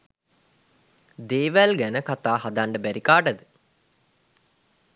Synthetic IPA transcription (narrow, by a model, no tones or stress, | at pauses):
d̪eːʋælɡænəkat̪aːɦad̪aɳɖəbæɾikaːʈəd̪ə